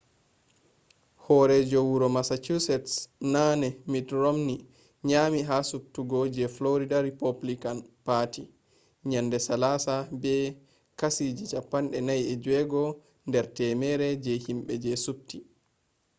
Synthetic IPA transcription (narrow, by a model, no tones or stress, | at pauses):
hɔɾɛd͡ʒowuɾɔmasat͡ʃusɛtsnanɛmitɾomni | ɲaːmiɦasup̚tuɡod͡ʒɛfloɾidaɾipoblikanpatʰi | ɲandɛsalasabɛ | kasid͡ʒit͡ʃapːanɗɛnajɛd͡ʒɛɡɔ | ndɛɾtɛmɛɾɛd͡ʒɛhimɓɛd͡ʒɛsup̚ti